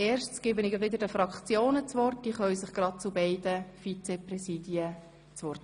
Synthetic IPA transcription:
eːrʃsɡ̥ɪbənɪɡəʋɪd̪əɾdəfɾɑkt͡sjoːnət͡sʋɔrt̚d̥iːχœʏsɪχɡ̥ɾɑd̚t͡sʊbɛɪdəfit͡sɛprɛsiːdjə | t͡sʋɔrt

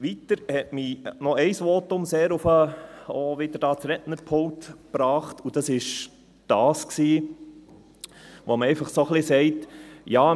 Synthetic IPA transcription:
ʋitəɾhɛtminɔɛɪsʋɔtʊmseːɾʊfəoʋɪd̥əɾd̥ɑːt͡sɾɛtnəɾpʰoŋ̚tpɾɑːχtud̥ɑsɪʃ | d̥ɑːsksiː | ʋoməɛɪfɑχsoχlɪsɛɪtjɑː

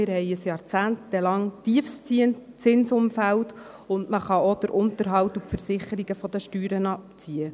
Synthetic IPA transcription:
ɪɾhɛɪəsjɑːɾt͡sæːntd̥ɛlɑŋt̪iəfst͡sit͡sɪnsʊmfælt | ʊndməχɑod̥əɾʔʊnt̪əɾɦɑwt̪upfəɾsɪχəɾiɡəfɔd̥̪əʃtyːɾənɑpt͡siə

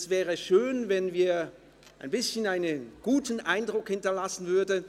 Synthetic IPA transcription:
sv̥ɛːʁəʃøːnvɛnviːɐ | ʔaɪnbɪsçənaɪnənɡ̥uːtn̩ʔaɪndʁʊkhɪntɐlasn̩vʏɐd

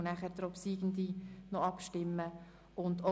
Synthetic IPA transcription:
næχɛɾd̪ɾɔpsiːɡən̩d̪inɔɑpʃtɪmːə | ʊnd̪o

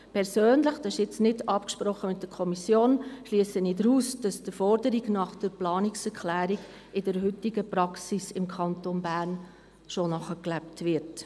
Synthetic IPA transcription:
pʰɛɾsøːnləχd̥ɑʃjɪt͡snɪdɑpkʃpɾɔχːəmɪt̚d̥əɾkʰɔmisjoːnʃliːsənidɾuːsd̥ɑsd̥əfɔɾdəɾiɡnɑχd̥əɾplɑːnɪksɛɾkχlæːɾiɡ | ɪd̥əɾɦʏtːiɡəpɾɑksisɪmkʰɑntonbæːɾn | ʃonɑχəklæptʋɪɾt

